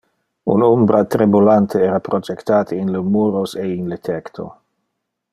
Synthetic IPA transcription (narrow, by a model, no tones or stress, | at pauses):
ṵnombɾat̪ɾibulant̪ʰeɛːɾapɾod͡ʒekt̪aːt̪ʰəinlemuːɾoseinlet̪ʰɛkt̪ʰo̰